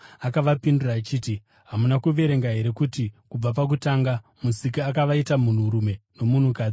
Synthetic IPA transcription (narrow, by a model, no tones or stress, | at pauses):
akaʋapinduraːt͡ʃiːti | ɦamunakuʋe̞ɾe̞ŋɡaɦe̞ɾe̞kutikub͡vap̬ak̬utaːŋɡamusik̬iakaʋaitamun̤uɾume̞no̞mun̤ukaːd͡zi